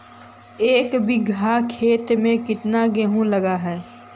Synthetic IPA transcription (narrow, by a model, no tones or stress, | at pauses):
eːkbiɡʱakʰeːt̪mẽkɪt̪naɡeɦũlɐɡaɦɛː